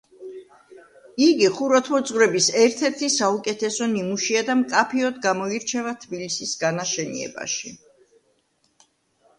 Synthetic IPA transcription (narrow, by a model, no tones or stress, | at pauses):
iɡiχuɾat̪ʰmɔd̪zʼʁvɾɛbisɛɾt̪ʰɛɾt̪ʰisaukʼɛt̪ʰɛsɔnimuʃiad̪amkʼapʰiɔd̪ɡamɔiɾt͡ʃʰɛvat̪ʰbilisisɡanaʃɛnḭɛ̰ba̰ʃi